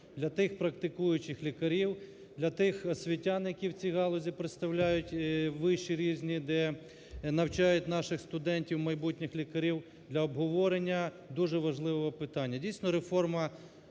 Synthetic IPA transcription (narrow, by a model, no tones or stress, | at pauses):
d̪lʲɐt̪ɪxpɾɐk̚t̪ɪkujʊt͡ʃɪxlʲikɐɾʲiw | d̪lʲɐt̪ɪxsʲʋʲitʲːanjɐkʲiwt͡sʲiɦɑlˠɔzʲipɾɪt̪st̪ɐwlʲajʊtʲʋɪʃt͡ʃiɾʲizʲnʲid̪ɛ | nɐwt͡ʃɑjʊt̚ʲnɑʃɪxst̪ʊd̪ɛnʲtʲiwmɐjbutʲnʲɪxlʲikɐɾʲiw | d̪lʲɐɔbɦɔʋɔɾenʲːɐ | d̪uʒɛʋɐʒlˠɪʋɔʋɔpɪt̪ɑnʲːɐdʲijsʲnɔɾefɔrmɐ